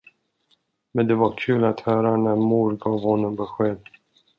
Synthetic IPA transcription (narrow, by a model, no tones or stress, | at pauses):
mɛnd̪ɛvaɾkʰʉ̟ːlat̪hœːɾanæɾmuːɾɡɑːvhɔnːəmbɛɧeːd̪